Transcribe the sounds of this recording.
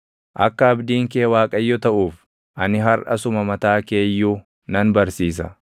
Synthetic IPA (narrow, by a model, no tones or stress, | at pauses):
ʔɐ̰kːɐɐbd̪iːŋkeːwaːkʼɐjːɔt̪ɐʔuːf | ʔɐnɪɦɐɾʔɐ̰sʊmɐmɐt̪aːke̞ːjːuː | nɐnbɐɾsiːs̬ɐ̰